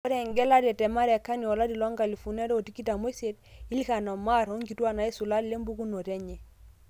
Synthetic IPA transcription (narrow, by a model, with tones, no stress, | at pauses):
o˦ɾe˨ŋɡe˦la˦de˨te˨ma˦ɾe˨kːa˦niɔ˨la˦di˨lo˦ŋɡa˨li˨fu˨ne˦do˦o˨ti˦ki˦ta˨mo˦se˦ti˦li˦ka˨no˨ma˦ɾo˦ŋɡi˨tu˦a˨na˨i˦su˨la˦dle˦mbu˦ku˦no˨te˦ɲe˨